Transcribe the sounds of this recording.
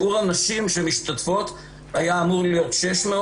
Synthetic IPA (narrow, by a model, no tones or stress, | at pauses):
uʁanaʃimʃemiʃt̪at̪fo̞t̪ | ajaːmuʁlijo̞t̪ʃe̞ʃme